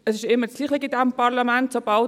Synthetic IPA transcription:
əsɪʃɪmːət͡sɡliːχɛɡidɛmpɑʁlamɛntsob̥ɑlt

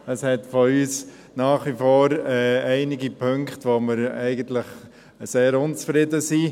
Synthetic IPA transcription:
əshɛtfɔyːs | nɑːχʋifɔːɾɛɛɪnɪɡipʰøŋkχtʋoməɾɛɪɡənt̪ləχ | seːɾʊnt͡sfɾɪdəsiː

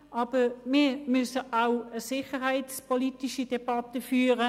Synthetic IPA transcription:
ʔɑːb̥əmɪːmʏsəʔaʊəsɪχəɦaɪtspɔlitiʃidɛbɑtəfyːʁə

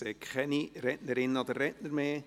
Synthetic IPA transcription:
seːkʰχɛniɾɛtnəɾɪnəɑd̪ərːɛtnəɾmeː

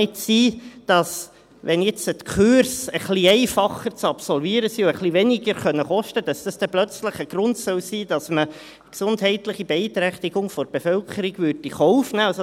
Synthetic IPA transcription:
ɪtsiːd̥ɑs | ʋɛnjɛt͡sət̪kʰyɾsəχliɛɪfɑχəɾt͡sɑpsɔlviːɾəsiuəχliʋɛnɪɡəɾχœnːəχɔʃtəd̥ɑsd̥ɑsd̥ɛplœt͡sləχəɡ̥ɾʊntsœwsiːd̥ɑsmə | ksʊndɦɛɪtləχibɛɪt̪ɾɛχt̪iɡ̥ʊŋfɔɾb̥efœlkʰəɾiɡvʏɾdiχɔʊfnæːɑls

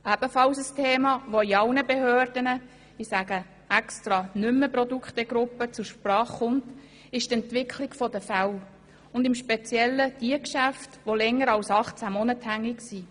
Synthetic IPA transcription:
æb̥əfɑlsəstʰeːmɑʋoiɑwnəbehøːrdənə | isæɡə | ɛkstrɑnʏmːəprɔdukχtɛɡɾʊpːət͡sʊʃprɑːχːʊnt | ɪʃtɛntʋɪkʰlɪɡfɔdəfæw | ʊndɪmʃpet͡sjɛlːəd̥iəkʃæftʋolɛŋːəɾɑlsɑχt͡sæmɔnəthæŋːiksi

